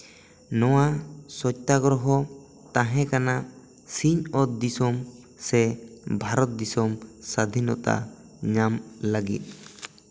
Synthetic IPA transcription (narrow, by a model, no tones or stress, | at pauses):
nɔwasɔc̚t̪aɡɾɔɦɔ | t̪ãɦɛ̃kana | siɲɔt̪̚d̪isɔm | sɛbʱaɾɔt̪̚d̪isɔmsad̪ʱinɔ̰t̪a̰ | ɲamlaɡḭt̪̚